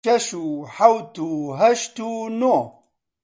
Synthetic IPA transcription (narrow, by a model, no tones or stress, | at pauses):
ɐʃuħɐwt̪uɦɐʃt̪uno